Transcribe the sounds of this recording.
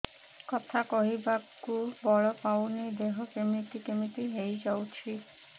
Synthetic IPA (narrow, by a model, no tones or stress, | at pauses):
kɔt̪ʰakɔɦibakːubɔɭopawnid̪eɦokemiʈikemiʈiɦejd͡ʑawt͡ɕʰi